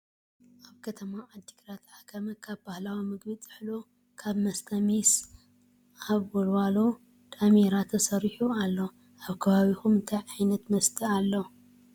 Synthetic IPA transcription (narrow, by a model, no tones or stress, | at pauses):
ʔaβkʰɐt̪ʰɐmaad̪ːikɾat̪ħakʰɐmɐkʰaβbahlawimɨɡβit͡sʼɨ̥ħlo | kʰaβmɐst̪ʰɐmis | aβwolwalo | t̪ʰʼameɾat̪ʰɐsɐɾiħualːo | ʔaβkʰɐβaβixumɨnt̪ʰajʕajnɐt̪mɐst̪ʰialːo